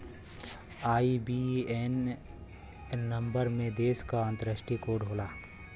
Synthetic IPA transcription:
aːibien | ɐ̃mbəɾmẽd̪eːskaə̃nt̪əɾəʃʈikoɖʱoːlaː

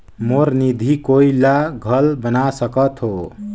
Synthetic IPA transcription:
moɾnid̪ʱikoilaɡʱʌlbənasəkʌt̪ɦo

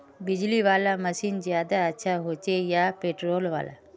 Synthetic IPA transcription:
bɪd͡ʒliʋaːlamɐsiːnzjaːd̪aɐtːʃʰaɦoːt͡ʃejaːpeːʈɾoːlʋa̰ːla̰

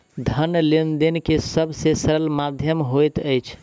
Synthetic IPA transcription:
d̪ʱənlind̪enkesəbʱsesəɾəlmad̪ʱjəmɦojt̪əjt͡ʃʰ

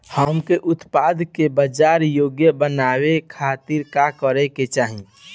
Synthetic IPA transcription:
həmkeʔʊt̪pad̪ʱkebəd͡ʒaːɾjoːɡjəbənawekʰaːt̪iɾkakəɾɛket͡ʃaːɦĩ

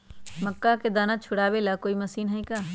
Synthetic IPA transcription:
mɐkːaked̪aːnat͡ʃʰʊɽaːbelakoːimɐsiːnɦɐĩkaː

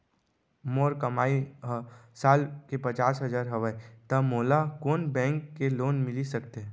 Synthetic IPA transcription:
moːɾkɐmaːiɦsaːlkepɐt͡ʃaːsɦɐzaːɾɦɐʋət̪ɐmoːlakoːnbɛ̃ːŋkːeloːnmɪlisɐkt̪eɦ

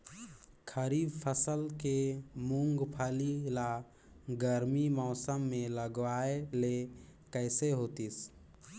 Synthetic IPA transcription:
kʰəɾiːbpʰəsəlkemʊ̃ŋɡpʰalila | ɡəɾmimɔːsəmːẽləɡʋaːelekəɪseɦoːt̪is

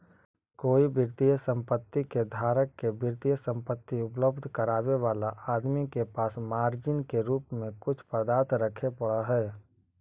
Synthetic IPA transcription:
koːibɪɾt̪ijəsə̃mpət̪ːiked̪ʱaːɾəkːebɪɾt̪ijəsə̃mpət̪ːiʊpləbd̪ʱkəɾaːʋeʋaːlaʔaːd̪mikepaːsmaːɾd͡ʒɪnkeɾuːpmẽkʊt͡ʃʰpɾəd̪aːt̪ɾəkʰepəɽaɦɛː

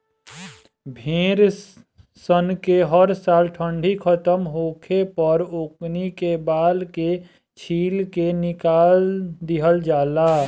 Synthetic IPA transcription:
bʱẽːɾ | sənkeɦəɾsaːlʈʰə̃ɳɖʱikʰət̪əmɦoːkʰepəɾoknikebaːlke | t͡ʃʰiːlkenɪkaːld̪ɪɦəld͡ʒaːlaː

